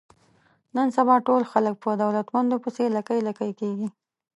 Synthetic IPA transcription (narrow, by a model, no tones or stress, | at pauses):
nənsabɑʈolxalək̚pəd̪awlat̪mand̪opəselakəjlakəjkeɡi